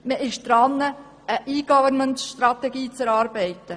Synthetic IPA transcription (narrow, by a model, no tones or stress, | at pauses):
məʔɪʃd̪̥ɾɑnːə | əʔiːɡ̥ɔvəɾnməntʃtɾɑtɛɡiːt͡sɛɾɑːɾbɛɪtə